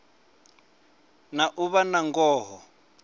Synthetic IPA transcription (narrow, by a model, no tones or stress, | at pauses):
naʔuβanaŋɡɔːɦɔ